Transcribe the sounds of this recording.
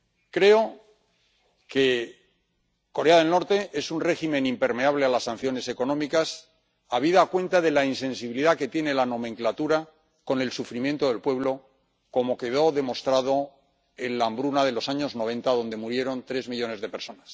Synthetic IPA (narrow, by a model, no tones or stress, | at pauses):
kɾe̞o̞ | ke̞ | ko̞ɾe̞aðe̞lno̞ɾt̪e̞ʔe̞sunre̞ximẽnimpe̞ɾme̞aβ̞le̞alasːan̟θjo̞ne̞se̞ko̞nõ̞mikas | aβ̞iðaːkwẽ̞nt̪aðe̞lainsẽ̞nsiβiliðake̞t̪je̞ne̞lano̞mẽŋklat̪uɾa | ko̞ne̞lsufɾimje̞nt̪o̞ðe̞lpwe̞β̞lo̞ | ko̞mo̞ke̞ðo̞ðe̞mo̞st̪ɾað̞o | e̞nlambɾunaðe̞lo̞saɲo̞zno̞β̞ẽ̞nt̪aðo̞nd̪e̞muɾje̞ɾo̞nt̪ɾe̞zmiʎo̞ne̞zðepe̞ɾso̞nas